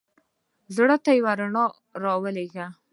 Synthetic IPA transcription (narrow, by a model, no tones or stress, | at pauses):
zɽət̪ajawaɾaɳɑ | ɾɑwəleɡa